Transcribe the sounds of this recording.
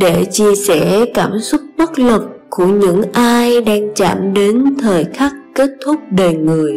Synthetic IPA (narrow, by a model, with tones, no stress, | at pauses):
ɗe˧˩t͡ɕi˧əsɛ̰˧˩kaː˧˩msʊ˦˥k͡p̚ɓə˦˥t̚lə˨˩kku˧˩əɲɨ̰˧˥ŋʔaː˧jɗaː˧ŋt͡ɕa̰ː˧˩mɗe˨˦nt̪ʰəː˨˩jxa˦˥kke˦˥t̚t̪ʰʊ˦˥k͡p̚ɗe˨˩ŋɨ˨˩əj